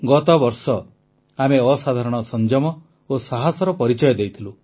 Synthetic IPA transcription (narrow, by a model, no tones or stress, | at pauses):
ɡɔt̪ɔbɔɾsɔ | ameɔsad̪ʱaɾɔɽ̃ɔsɔnd͡ʒɔmɔ | osaɦasɔɾɔpɔɾit͡ʃɔjɔd̪ejt̪ʰilu